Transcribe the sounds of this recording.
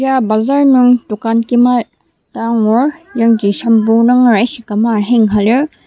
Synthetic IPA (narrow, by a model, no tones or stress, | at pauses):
ijabazaɾnuŋtukankima | taŋɔɾjaŋdisɐmbunaŋɾajsikamaɦeŋɦalɯ